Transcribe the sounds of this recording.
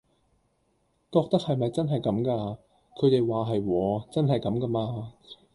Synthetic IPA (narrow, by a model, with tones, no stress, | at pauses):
kɔː˧k̚t̪ɐ˥k̚hɐ˨jmɐ˨jt͡sɐ˥nɦɐ˨jkɐ˨˥mkaː˧ | kʰɵ˨˧ɥt̪e˨jwaː˨ɦɐ˨jwɔː˨˧t͡sɐ˥nɦɐ˨jkɐ˨˥mkɐ˧˥maː˧